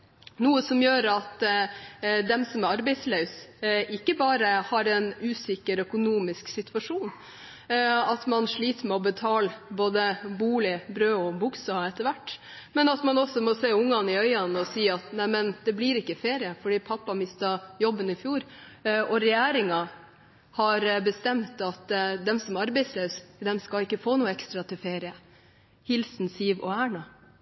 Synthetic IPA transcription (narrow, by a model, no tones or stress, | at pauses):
nuːəsɔmjøːɾɑt̪ | d̪ɛmsɔmæɾɑɾbɛɪslœʉsɪkːəbɑːɾəhɑɾɛnʉːsɪkːəɾœkʊnuːmɪsksɪt̪ʉʋɑʂuːn | ɑt̪mɑnʂɭiːt̪əmɛɔbət̪ʰɑːlboːd̪əbuːlɪbɾøːɔbʊksɑɛt̪əɾʋæʈː | mɛnɑt̪mɑnɔsːɔmɔseːʊŋːɑnɪœʏɑnɔsiːɑt̪næɪmɛnd̪̥ɛbliɾɪkːəfeːɾɪəfɔɖiːpʰɑpːɑmɪst̪ɑjɔbənɪfjuːɾɔɾɛjæːɾɪŋɑ | hɑɾbəst̪ɛmt̪ɑt̪d̪ɛmsɔmɑɾbɛɪsløːsd̪ɛmskɑɪkːəfoːnuːəɛkst̪ɾɑt̪ʰɪlfeːɾɪə | hɪlsn̩siːʋɔ̰æːɳɑ